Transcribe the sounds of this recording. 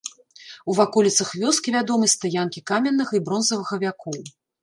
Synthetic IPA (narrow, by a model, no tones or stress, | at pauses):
uvakɔlʲit̪sɐxvʲɔskʲivʲad̪ɔmɨst̪ajankʲikamʲɛnːɨɣɐibɾɔnzɐvɨɣɐvʲakʰɔw